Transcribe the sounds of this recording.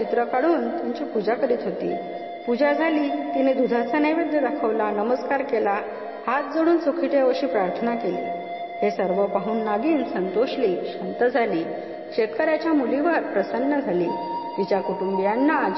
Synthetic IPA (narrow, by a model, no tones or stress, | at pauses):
t͡ɕit̪ɾəkaɽuːnt̪uɲt͡ɕipud͡ʑakəɾiːt̪ɦot̪ḭː | pud͡ʑad͡zʱaliːkinid̪ud̪ʱat͡saneʋed̪jəd̪akʰəʋlanəməskaɾkela | hat̪̚d͡zoɽuːnt͡sokʰiʈ̪eʋəɕiːpɾaɾt̪ʰənakelḭː | ɦesəɾʋəpaɦuːnːaɡiːnsənt̪oɕliːɕant̪əd͡zʱaliː | kɕet̪kəɾjat͡ɕjamuliʋəɾpɾəsənːəd͡zʱaliːit͡ɕakuʈumbijanːa